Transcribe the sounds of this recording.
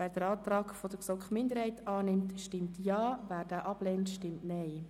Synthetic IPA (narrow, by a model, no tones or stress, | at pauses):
væːɾd̥əɾɑːt̪rɑːkfod̥əɾksɔkχmɪndəɾhɛɪtɑːnɪmtʃtɪmtjɑːvæːɾd̥aːʔɑb̥lɛntʃtɪmtnɛɪ